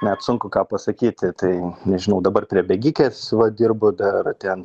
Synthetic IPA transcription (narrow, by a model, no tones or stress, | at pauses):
nʲɛt̪sʊŋkʊkɑːpɐsɐkʲiːt̪ʲɪt̪ɐɪnʲɛʒʲɪnɐʊd̪ɐbɐrpʲɾʲiɛbʲɛɡʲikʲeːsʋɐd̪ʲirbʊd̪ɐrt̪ʲɛn